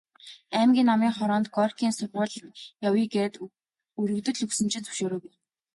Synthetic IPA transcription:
æːmɡʲiːnːamiːŋχɔɾɔːnt̪ɡɔrkʰiːnsʊrʁʊːɮjawiːɡert̪ | uɾɵ̆kt̪ɵ̆ɮɵksɘ̆mt͡ɕɪ̆t̪t͡s̪ɵ̥ʃoːɾɵːke

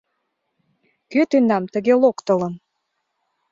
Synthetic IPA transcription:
køt̪ynɑmt̪ə̆ɣelokt̪ə̆lɤ̆m

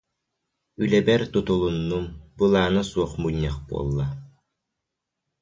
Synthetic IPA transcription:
ylɛbɛɾt̪ut̪ulˠunːumbɯlˠaːnasuɔχmuɲʲːaχbṵɔ̰lˠːa

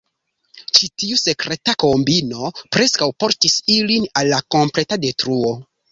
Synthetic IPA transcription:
t͡ʃitiuse̞kɾe̞tako̞mbino̞pɾe̞skawpo̞ɾtisilinalːako̞mple̞tade̞tɾuo̞

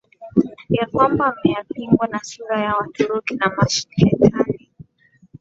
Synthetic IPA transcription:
jakwambamɛjapiŋɡwanasuɾajawatʰuɾɔkinamaʃi̥nlɛtʰani

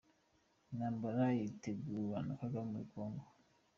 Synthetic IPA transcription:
nambaɾaiteɡuwanakakamwikɔŋɡɔ

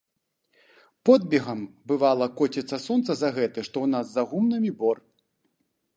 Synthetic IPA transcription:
pɔd̪̚bʲɛɣɐmbɨvalˠɐkɔtʲit̪sɐsɔnt̪sɐzɐɣɛt̪ɨʂt̪ɔwn̪azːɐɣumnɨmʲibɔr

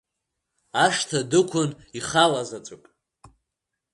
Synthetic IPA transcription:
aʂtʰadɨkʷʰʊn | iχalazat͡sʷʼʊpʼ

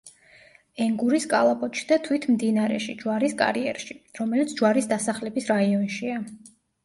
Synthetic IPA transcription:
ɛŋɡuɾiskʼalˠapʼɔt̪ʃid̪at̪ʰwit̪ʰmd̪inaɾɛ̰ʃid͡ʒwaɾiskʼa̰ɾiɛ̰ɾʃiɾɔmɛlit̪sʰd͡ʒwaɾisd̪asaχlɛbisɾaiɔnʃia

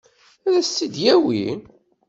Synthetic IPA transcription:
æðæsːid̪jæwḭ

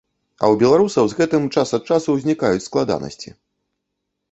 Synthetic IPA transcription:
ɐ̰wbʲɛlˠaɾusɐwzɣɛt̪ɨmt͡ʂasɐt̪̚t͡ʂasuwzʲnʲikajut͡sʲsklˠad̪a̰nɐ̰sʲt͡sʲi

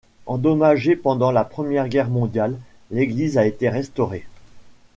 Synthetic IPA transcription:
ɑ̃d̪ɔmaʒepɑ̃d̪ɑ̃lapχəmjɛʁɡʲɛʁmɔ̃d̪jalː | eɡlizaet̪eʁɛst̪ɔʁe

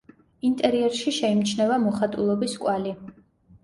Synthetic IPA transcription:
int̪ʼɛɾiɛɾʃiʃɛimt͡ʃʰnɛvamɔχat̪ʼulˠɔbiskʼwali

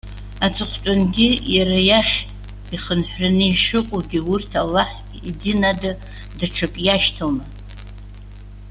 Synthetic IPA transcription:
at͡sʰɨχʷt͡ʃʼanɡʲijaɾajaχʲ | iχənħʷrɨnɨiʂɨkʷʼoɡʲiurtʰalːaħʲ | idɨnada | dʈ͡ʂʰɨpʼjaʃtʰoma

